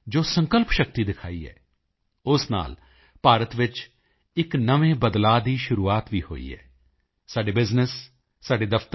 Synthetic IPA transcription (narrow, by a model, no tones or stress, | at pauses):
d͡ʒoːsə̃ŋkəlpʃək̚t̪iːd̪ɪkʰaːiːɛ̰ː | ʊsna̰ːl | paːɾət̪ʋɪt͡ʃ | ɪknəʋẽːbəd̪laːd̪iːʃʊɾuːaːt̪ʋiːho̰ːḭːɦɛ̰ː | saːɖeːbɪznɪsː | aːɖeːd̪əfʰt̪